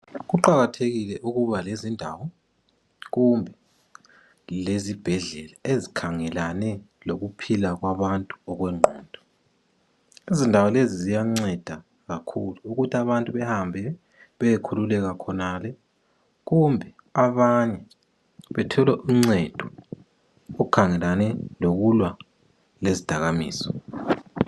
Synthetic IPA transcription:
ɣuǃaɣatʰeɣilɛʔuɣuβalezindʱawɔ | ɣumbʱɛ | lezib̥ʱɛɮɛlaezikʰaŋɛlanɛ | loɣupʰilaɣwaβantʼuɔɣwɛŋ͡ǃʱɔːnd̥ʱɔ̥ | izindʱawɔlezizijaŋ͡ǀɛd̥ʱa | ɣakʰuluːɣutʰaβantʼuβɛhambʱɛ | βɛjekʰululɛɣakʰɔnalɛ | ɣumbʱɛ | aβaɲɛ | βɛtʰɔlɛʔiŋ͡ǀɛd̥ʱɔ | oukʰaŋɛlanɛloɣulwa | lezid̥ʱaɣamḭːsɔ̥

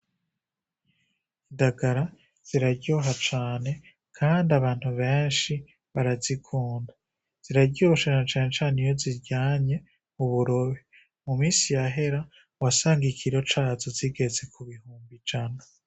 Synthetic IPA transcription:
indaɡaɾa | z̥iɾaɾɟoɦat͡ʃaːne̞ | kʰaːndaβaːn̥huβe̞ːnʃi | βaɾazikʰuːnda | z̥iɾaɾɟoɾoʃanat͡ʃaːne̞t͡ʃaːnijo̞ziɾɟaːɲe̞ | muβuɾo̞βi | mumiːsijaɦe̞ɾa | wasaːŋɡikʰiɾo̞t͡ʃazoziɡe̞ze̞kʰuβihuːmbid͡ʒana

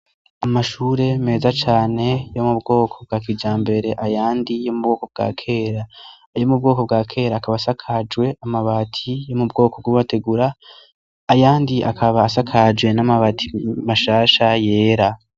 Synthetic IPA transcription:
amaʃuːɾe̞me̞ːzat͡ʃaːne̞jo̞mubɡo̞ːkʰo̞b̚ɡaːkid͡ʒaːmbe̞ɾe̞ʔajaːndijo̞mub̚ɡo̞ːko̞b̚ɡa̰ːkʰe̞ːɾa | jomub̚ɡo̞ːko̞b̚ɡaːkʰe̞ːɾaːkaβaːsakʰad͡ʒwe̞amaβatʰijo̞mubɡo̞ːkob̚ɡuβate̞ɡuɾaː | jaːndiʔa̰kʰaβaːsakʰad͡ʒɡwe̞namaβatʰimaʃaːʃaje̞ːɾa

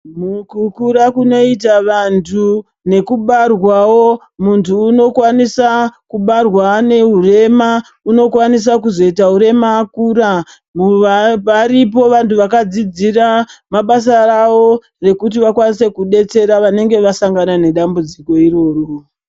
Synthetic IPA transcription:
mukukuɾakuno̞it̬aʋantʰu | ne̞kuɓarwawo̞ | muntʰuːno̞kwanisakuɓarwane̞ɦure̞ma | uno̞kwanis̬akuzo̞itauɾe̞maːkuːɾa | muʋaɾip̬o̞ʋantʰuʋakad͡zid͡ziramaɓas̬arawo̞ | re̞kut̬iʋakwanise̞kuɗe̞t͡se̞ɾaʋane̞ŋɡe̞ʋasaŋɡanane̞ɗambud͡ziko̞iro̞ːro

